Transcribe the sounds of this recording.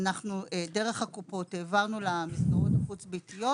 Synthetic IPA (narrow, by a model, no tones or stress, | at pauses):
naχnuede̞ʁeχhakupo̞teːvaʁnulamist̪oʁotmχut͡sbitijo